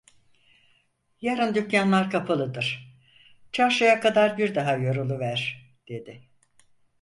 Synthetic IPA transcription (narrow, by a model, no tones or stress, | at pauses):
jaɾɯnd̪ycjanlˠaɾkʰapʰalˠɯd̪ɯɾ̥ | t͡ʃʰaɾʃajakʰad̪aɾbiɾd̪aɦajoɾulˠuvæɾ̥ | d̪̥e̞d̪ɪ